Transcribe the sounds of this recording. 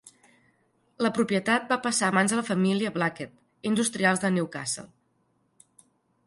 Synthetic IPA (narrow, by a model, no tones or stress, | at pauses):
ləpɾupiət̪at̪̚bapəsaːβanzðələfəmiliəβlaket̪ | ind̪ust̪ɾialˠzðəniwka̰sə̰lˠ